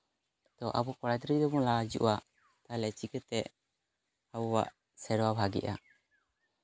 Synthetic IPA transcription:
t̪ɔʔabɔkɔɽajd̪ɾid̪ɛbɔŋlad͡ʒṵʔa | t̪alɛɛt͡ʃikɛt̪ɛʔ | abɔwa̰ʔ | sɛɾwabʱaɡɛ̰ʔa̰

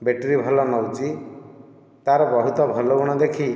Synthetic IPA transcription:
beʈɾibʱɔlɔnɔwt͡ʃi | t̪aɾɔbɔɦut̪ɔbʱɔlouɽ̃ɔd̪ekʰi

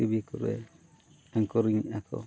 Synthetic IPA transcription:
ibikuɾɛ̰ | aŋkɔɾiŋiakɔ̰

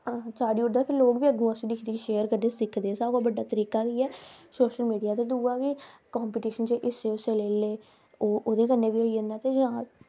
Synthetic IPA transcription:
ãːsaːɖiːʊɾd̪aːpʰɪɾloːkbiːəɡũːəsĩːd̪ɪkʰd̪iːʃeːəɾkəɾd̪eːsɪkʰd̪eːsaːabəɖːaːt̪əɾiːkaːkiːɛːsoːʃəlmiːɖijaːt̪eːd̪uːaːkikaːmpiːʈiːʃənt͡ʃeːʔɪseːʊseleːleː | oːʔoːd̪eːkənːeːʋiːɦoːiːənãːt̪eːd͡ʒãː

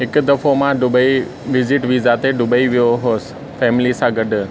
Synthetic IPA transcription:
ɦɪkd̪ɐfomãɖʊbəi | ʋɪzɪʈʋiːzaːt̪eɖʊbəiʋijoɦoːs̆ | fɛːmɪlisãɡɐɖʱʊ̆

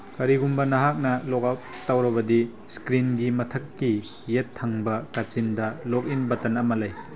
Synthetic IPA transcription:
kɐɾiɡumbɐnɐɦak̚nɐlɔk̚ap̚tawɾɐbɐdi | skɾinɡimɐtʰɐkːi | jetʰːɐŋbɐkat͡ʃindɐlok̚inbɐtɐnɐmɐlaj

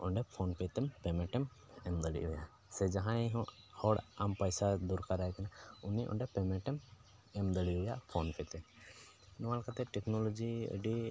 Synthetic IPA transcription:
ɔɳɖɛpʰoːnpɛt̪ɛmpɛmɛ̃ʈɛm | ɛmd̪əɽḭʔɦʊja | sɛd͡ʒaɦãɛɦɔ̃ | ɔɽampəjsad̪uɾkaɾaɛkɛnaʊniʔɔ̰ɳɖɛpɛmɛʈɛm | ɛmd̪əɽiɦʊjapʰoːnpɛt̪ɛ | nɔwalkat̪ɛʈɛkʰnolod͡ʒiə̰ɖi

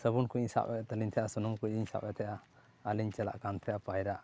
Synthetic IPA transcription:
səbunkuiɲsa̰ʔɛt̪əlint̪ʰɛjʔasunumkuʔiɲsa̰ʔɛt̪ʰɛʔa | əliɲt͡ʃɛla̰ʔkant̪ʰɛʔapajɾaʔ

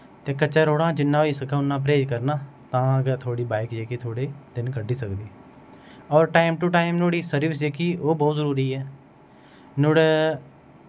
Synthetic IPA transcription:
t̪eːkət͡ʃːaːɾoːɽãːd͡ʒɪnːãːʋiːsəkʰãːʊnːãːp̬ɾeːd͡ʒkəɾnaːt̪ãːkːt̪ʰoːɽiːbaːɪkd͡ʒeːkiːt̪ʰoːɽeːd̪ɪnkəɖːiːsəkd̪iː | ɔːɾʈaːɪmʈuːʈaːɪmnoːɽiːsəɾɪʋɪs̬d͡ʒeːkiːʔoːbɔːt̪zəɾuːɾiːɛː | nʊɽ

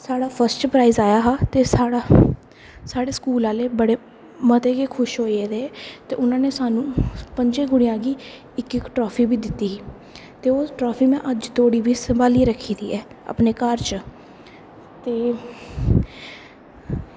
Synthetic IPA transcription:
saːɽaːpʰəɾsʈpɾaːizaːjaːɦaːt̪eːsaːɽa | saːɽeːskuːlaːleːbəɽeː | mət̪eːkeːkʰʊʃɦoːeːd̪eːt̪ḛːʔʊnãːneːsaːnũːpəɲd͡ʒẽːɡʊɽɪjãːɡiː | ɪkɪkʈɾɔːpʰiːbiːd̪ɪt̪ːiːɦiː | t̪eːoːʈɾɔːpʰiːmɛ̃ːʔəd͡ʒt̪oːɽiːʋiːsəmbaːliːɾəkʰːiːd̪iːɛːə̰pneːkəɾt͡ʃ | t̪eː

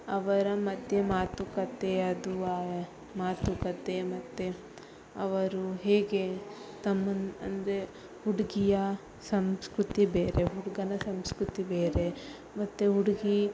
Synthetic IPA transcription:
ɐʋɐɾɐmɐd̪ʱjemaːt̪ukɐt̪eɐd̪uaː | maːt̪ukɐt̪emɐt̪ːe | ɐʋɐɾuɦeːɡe̞t̪ɐmːɐnɐ̰nd̪ɾe | huɽiɡijɐ | sɐmskɾut̪ibeːɾeɦuɽɡɐnɐsɐmskɾut̪ibeːɾe | mɐt̪ːeɦuɽiɡi

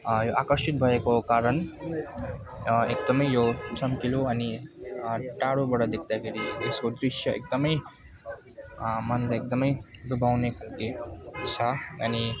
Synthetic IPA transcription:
joʔakəɾʃit̪̚bʱʌekokaɾən | ek̚d̪əmʌjjosʌmkiloɐni | ʈaɽobʌɽad̪ekʰd̪akʰeɾieskod̪ɾiʃjʌḛk̚d̪əmʌj | mʌnd̪ekd̪ʌmʌjbubʱawnekənt̪et͡sʰʌɐni

